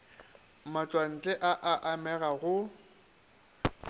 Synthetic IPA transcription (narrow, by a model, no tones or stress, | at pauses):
mat͡ʃʼwan̩t͡ɬʼɛʔaʔaʔamɛɣaɣʊ